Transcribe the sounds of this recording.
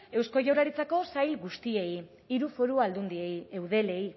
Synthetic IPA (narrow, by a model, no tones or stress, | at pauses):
e̞wsko̞ʝawɾaɾit͡sako̞sajlɡust̪ie̞j | iɾufo̞ɾuald̪und̪ie̞jewð̞e̞le̞j